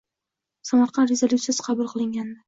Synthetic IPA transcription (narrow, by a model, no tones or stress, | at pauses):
samɑɾqʰɑnɾezalʲut̪ʲasqʰɑbʊlˠqʰɨlˠɪŋɡʲand̪ɪ